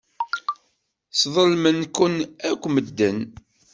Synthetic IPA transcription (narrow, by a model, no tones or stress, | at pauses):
sðˤəlmənkːənækʷːməd̪ːən